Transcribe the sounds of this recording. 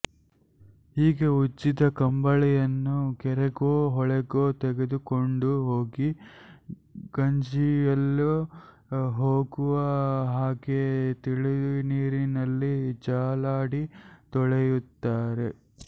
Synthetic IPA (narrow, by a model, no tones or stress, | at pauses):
hiːɡe̞ut͡ʃːit̪ɐkɐmbɐɭɛjɐnːuɡɛɾɛɡoːɦɔɭɛɡoːt̪ɛɡe̞d̪ukoɳɖuɦoːɡi | ɡ̥ɐɲd͡ʒijɐlːu | ɦoːɡuʋɐɦaːɡet̪iɭid̪iniːɾinɐlːid͡ʒaːlaːɽit̪ɔɭejut̪ːaːɾe̞